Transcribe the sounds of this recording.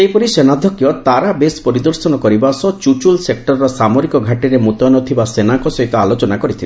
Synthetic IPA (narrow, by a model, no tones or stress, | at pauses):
eipɔɾisenad̪ʱɔkjɔt̪aɾabespɔɾid̪ɔɾsɔnɔkɔɾibasɔt͡ʃut͡ʃulsek̚ʈɔɾːɔsamoɾikɔɡʱaʈiɾemut̪ɔnɔt̪ʰibasenaŋkɔsɔɦit̪ɔalot͡ʃɔnakɔɾit̪ʰile